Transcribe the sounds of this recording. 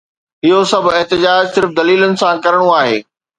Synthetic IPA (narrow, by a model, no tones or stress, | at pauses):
ɦɪɦosɐb̆ʱɪɦt̪ɪd͡ʑaːd͡ʑsɪɾfd̪ɐliːlənɪ̆sãkɐɾəɽ̃oaːɦeː